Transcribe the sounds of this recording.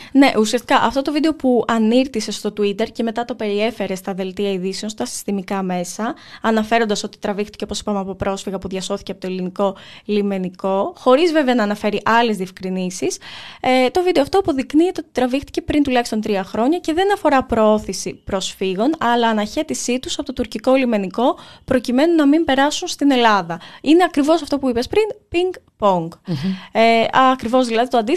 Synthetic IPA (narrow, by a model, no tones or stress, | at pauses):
ne̞ʔusiɐst̪i̥kɐʔɐft̪o̞t̪o̞vid̪e̞o̞puɐniɾt̪ise̞st̪o̞t̪uit̪e̞ɾce̞me̞t̪ɐt̪o̞pe̞ɾie̞fe̞ɾe̞st̪ɐðe̞lt̪iɐiðiseo̞nst̪ɐsi̥st̪imikɐme̞sɐːnɐfe̞ɾo̞nd̪ɐso̞t̪i̥t̪ɾɐvixt̪i̥ceo̞po̞si̥pɐmeɐpo̞pɾo̞sfiɣɐpuðʝɐso̞θi̥ceɐpot̪oeliniko̞lime̞niko̞xo̞ɾizve̞veɐnɐːnɐfe̞ɾiʔɐle̞zðiefkɾinisiset̪o̞vid̪eoɐft̪oɐpo̞ðikniet̪eot̪i̥t̪ɾɐvixt̪i̥ce̞pɾint̪ulɐçist̪o̞nt̪ɾiɐxɾo̞ɲɐce̞ðe̞nɐfo̞ɾɐpɾooθisipɾo̞sfiɣo̞nɐlɐːnɐçe̞t̪isit̪usɐpot̪o̞t̪uɾciko̞lime̞niko̞pɾo̞cime̞nunɐmimpe̞ɾɐsunst̪ine̞lɐðɐine̞ɐkɾivo̞sɐft̪o̞puipespɾinpiŋɡ | poŋɡ | ɐkɾivo̞zðilɐðit̪oɐnd̪i